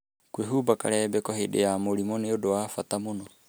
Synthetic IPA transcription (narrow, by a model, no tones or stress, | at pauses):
kueɦubaka̰lɛbɛkoɦiɗɛ̰amolimonɛodoafat̪amunɔ